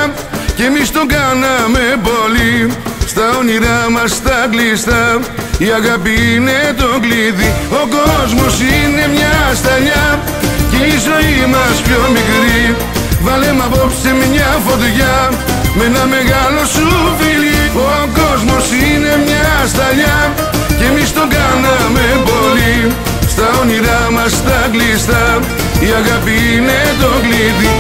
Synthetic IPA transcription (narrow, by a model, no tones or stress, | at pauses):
cemist̪o̞ŋɡɐnɐmepolist̪ɐoniɾɐmɐst̪ɐklist̪ɐ | iɐɣɐpinet̪oŋɡliðiokozmosine̞mɲɐst̪ɐʎɐ | ceizo̞imɐspçomikɾi | valemapopsemiɲafot̪̬uʝa | menameɣalosufilioaŋkozmosinemɲast̪aʎa | kemist̪oŋɡanamelpoli | st̪aoniɾamast̪ɐklist̪ɐ | iaɣapinet̪oɡlit̪i